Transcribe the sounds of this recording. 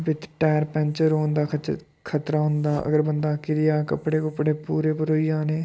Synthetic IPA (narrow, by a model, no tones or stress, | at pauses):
bɪt̪ʈɛːɾpɛ̃nt͡ʃəɾɦoːnd̪aːkʰt͡ʃ | kʰət̪ɾaːɦʊ̃nd̪aːʔə̰ɡəɾbənd̪aːkɪɾɪjaːkəpːɽeːkəpɽeːpuːɾeːpəɾoːiaːneː